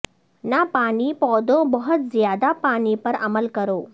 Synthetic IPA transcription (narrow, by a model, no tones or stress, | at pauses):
napaɽ̃iːpɔd̪obəɦət̪zjad̪apaɽ̃ipəɾə̰məlkəɾoː